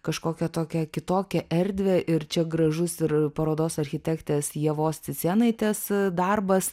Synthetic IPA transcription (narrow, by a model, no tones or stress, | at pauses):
kɐʃkoːkʲɛt̪oːkʲɛkʲɪt̪oːkʲɛʔɛɾʲd̪ʲʋʲɛʔɪɾt͡ʃʲɛɡɾɐʒʊsɪɾpɐɾoːd̪oːsɐrʲxʲɪt̪ʲækt̪ʲeːsjɛʋoːst̪ʲɪsʲiːnɐɪt̪ʲɛsd̪ɐrbɐs